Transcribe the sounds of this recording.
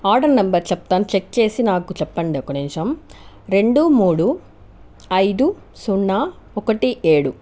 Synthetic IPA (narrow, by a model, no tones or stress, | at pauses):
aːɾɖɐɾnɐmbɐɾt͡ʃɛp̚ːt̪aːnt͡ʃek̚t͡ʃe̞ːsinaːkut͡ʃɛpːɐɳɖiɔkɐnint͡ʃɐm | ɾe̞ɳɖumuːɽu | ɐjd̪u | suɳːaː | ɔkɐʈiʔeːɽu